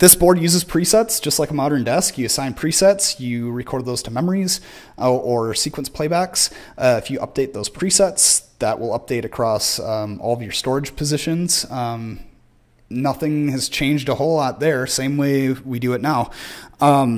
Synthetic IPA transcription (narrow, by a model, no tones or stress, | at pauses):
ðɪsb̥ɔɹdjʉzɨz̥pʰɹ̥isɛtsd̥ʒ̥ʌstˡlaɪkəmɑɾə̃˞ndɛskjɨɨsãɪ̃npʰɹ̥isɛtsjɨɹɨkʰɔɹd̪̚ðoʊz̥tʰəmɛmə˞iz | ʔʔə˞sikwə̃n̩spʰl̥eɪbæks | ʌɨfjɨʔʌ̰p̚d̥eɪt̪̚ðoʊz̥pʰɹ̥isɛtsðəʔwʔɪ̰lˠʌp̚d̥eɪɾɨkʰɹ̥ɔsɔ̰lˠʌvjə˞stɔɹɨd̥ʒ̥pʰɨzɪʃɨ̃nz̥ʌ̃m | nʌθɪ̃ŋɨz̥t͡ʃʰẽɪ̃nd͡ʒdəhoʊlˠaʊt̪̚ðə˞sẽɪ̃mweɪwidɨɨtⁿnaʊʌ̃m